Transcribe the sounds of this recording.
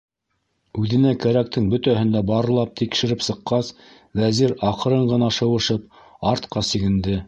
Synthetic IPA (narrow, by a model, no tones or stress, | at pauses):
ʉðɘ̆nækæɾæk̚t̪ɘŋbɵ̆t̪æhɘ̆nd̪æbɑɾɤ̆lˠɑp̚t̪ʰikʃɘ̆ɾɘpsɤ̆qːɑs | væziɾɑqɤ̆ɾɤɴɢɤ̆nɑʃɤ̆wɤ̆ʃɤp̚ | ɑɾt̪qɑsiɡɘ̆nd̪ɘ